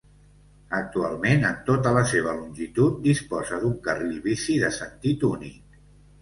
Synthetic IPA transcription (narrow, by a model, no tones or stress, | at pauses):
ək̚t̪ua̰lˠmenənt̪ot̪ələseβ̞əlunʲʒit̪ut̪̚d̪ispɔzəðuŋkərilβisiðəsənt̪it̪unik